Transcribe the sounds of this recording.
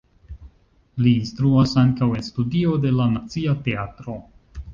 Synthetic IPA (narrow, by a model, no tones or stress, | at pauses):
liːnstɾuasaŋkawe̞nstudio̞de̞lanat͡siate̞atɾo̞